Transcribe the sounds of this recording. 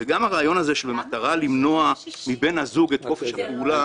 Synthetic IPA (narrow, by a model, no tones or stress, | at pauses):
veɡamaʁaːjo̞naze̞ʃelbemat̪aʁalimno̞amibe̞nhazuɡet̪ʁo̞feʃhapeula